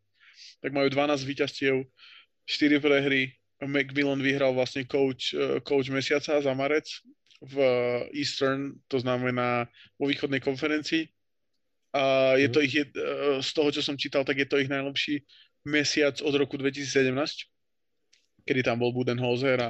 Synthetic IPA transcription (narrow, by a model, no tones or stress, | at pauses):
t̪aɡ̚majuːd̪ʋanaːzɟʋiːcascɪɛʊ | ʃt̪iɾipɾɛɦɾi | mɛɡmilɔnʋiɦɾalʋlasɲɛkɔʊt͡ʃkɔʊd͡ʒmɛsɪat͡sazamaɾɛt͡s | viːst̪ɛɾnt̪ɔznamɛnaːʋɔʋiːxɔd̪nɛjkɔnfɛɾɛnt͡siː | ajɛt̪ɔiɣɛst̪ɔɦɔt͡ʃɔsɔmt͡ʃiːt̪alˠt̪aɡjɛt̪ɔiɣnajlɛpʃiː | mɛsɪat͡sɔd̪ɾɔkud̪ʋɛcisiːt͡ssɛɟɛmnaːsc | kɛd̪it̪ambɔlˠbud̪ɛnɦɔzɛɾa